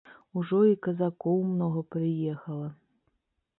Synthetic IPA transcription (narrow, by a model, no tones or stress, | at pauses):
uʐɔikɐzakɔwmnɔɣɐpɾɨjɛxɐlˠɐ